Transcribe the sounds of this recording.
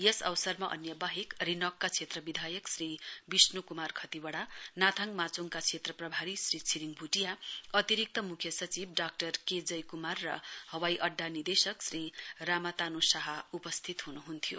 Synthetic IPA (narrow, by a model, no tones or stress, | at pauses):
jesʌwsʌrmaʔʌ̰njʌbaɦikrinʌkːat͡sʰet̪rʌbid̪ʱajʌksribisnukumarkʰʌt̪ibʌɽanat̪ʰaŋmat͡soŋkat͡sʰet̪rʌprʌbʱaɾisrit͡sʰiɾiŋbʱuʈijaʌt̪iɾik̚t̪ʌmukʰjʌsʌt͡sib̚ɖak̚ʈʌrked͡zʌjkumarːʌ̰hʌwajʔʌɖːanid̪esʌksriramat̪anusʌɦaupʌst̪ʰit̪ɦunuɦunt̪ʰijo̰